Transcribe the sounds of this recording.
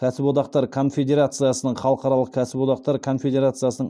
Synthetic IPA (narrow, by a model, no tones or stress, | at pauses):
kʲʰæsɪpwo̞t̪ɑqt̪ɑɾkʰo̞nfʲe̞d̪ʲe̞ɾat̪sɨjasənəɴχɑlˠəqɑɾɑlˠəq̚kʲʰæsɪpwo̞t̪ɑq̚t̪ɑɾkʰo̞nfʲe̞d̪ʲe̞ɾat̪sɨjasənəɴ